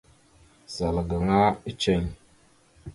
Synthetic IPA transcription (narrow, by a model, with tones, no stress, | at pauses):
za˨lɡa˨ŋa˦i˦t͡ʃe˦˨ɲ